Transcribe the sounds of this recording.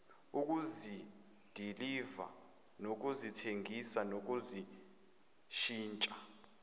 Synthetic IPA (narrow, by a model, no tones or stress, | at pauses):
uk̬uzid̥ʱiliva̰ | nok̬uzitʰeŋʱisanok̬uzi | ʃiːnt͡ʃʼa